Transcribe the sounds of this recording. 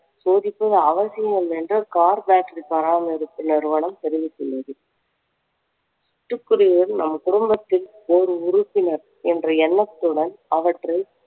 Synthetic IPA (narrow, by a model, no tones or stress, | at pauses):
soːðɪpːɐðɐɐʋɐsɪjɐmɛndrɯkaːɾbaːʈripɐɾaːmɪɾɯt̪ːɯnɪɾɯʋɐɳɐmt̪ɛɾɪʋɯsːɛlːɐðɯ | ɪʈːɯkːɯɾɪɣɐlnɐmːɐkʊɽʊmbɐt̪ːɪl | ɔɾɯʊɾʊpːɪnɐɾ | ɛndrɐɛnːɐt̪ːɯɽɐnɐʋɐʈrɐɪ